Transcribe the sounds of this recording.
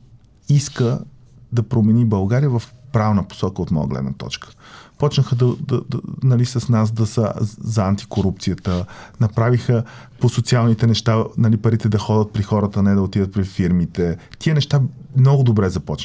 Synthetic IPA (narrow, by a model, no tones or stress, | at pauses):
iskə | d̪ɐpɾomɛnibɐlˠɡaɾijəvɐfpɾavnəpo̥sɔkəot̪mɔ̰jə̰ɡlɛ̰d̪nə̰t̪ɔ̰t͡ʃkə̥pɔt͡ʃnəxəd̪ɐd̪ɐnɐlisɐsnas̬d̪ɐsəzɐant̪i̥koɾupt̪sijət̪ənɐpɾavixə | posot̪sialˠnit̪ɛnɛʃt̪anɐlipɐɾit̪ɛd̪ɐxɔd̪ət̪̚pɾixɔɾət̪ənɛd̪ɐot̪id̪ət̪pɾifiɾmit̪ɛt̪iənɛʃt̪a | mnɔɡʊd̪obɾɛzɐpɔt͡ʃ